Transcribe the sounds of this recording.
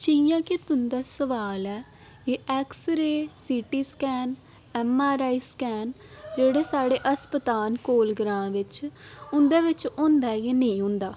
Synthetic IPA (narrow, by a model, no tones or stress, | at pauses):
t͡ʃiːjãːkɪt̪ʊnd̪aːsəʋaːlɛː | eːʔɛːksəɾeːsiːʈiːskɛːn | ɛːmaːɾaːiːskɛːn | d͡ʒeːɽeːsaːɽeːʔəspət̪aːnkoːlɡɾãːʋɪt͡ʃʊnd̪eːʋɪt͡ʃõːnd̪aːjeːnĩːɦʊ̃nd̪aː